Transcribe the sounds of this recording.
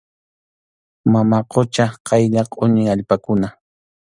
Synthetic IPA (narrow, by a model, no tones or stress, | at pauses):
mamaqot͡ʃaqɑjʎaqʼʊnɪaʎpakʊna